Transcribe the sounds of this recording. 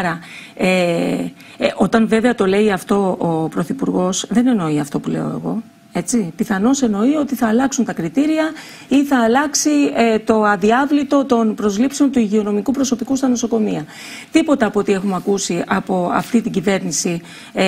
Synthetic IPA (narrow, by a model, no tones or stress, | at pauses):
ɾɐ | e | ʔo̞t̪ɐnve̞ve̞ɐt̪o̞le̞iɐft̪o̞opɾo̞θipuɾɣo̞sðe̞ne̞no̞iɐft̪o̞pule̞̰o̞̰e̞̰ɣo̞̰ | e̞t͡sipiθɐno̞se̞no̞io̞t̪iθɐːlɐksunt̪ɐkɾit̪iɾiɐ | iθɐːlɐksiet̪o̞ɐðiɐvlit̪o̞t̪o̞npɾo̞zlipseo̞nt̪uiʝio̞no̞mikupɾo̞so̞pikust̪ɐno̞so̞ko̞miɐ | t̪ipot̪ɐːpot̪ie̞xumɐkusiɐpo̞ɐ̰ft̪it̪iɲɟive̞ɾnisi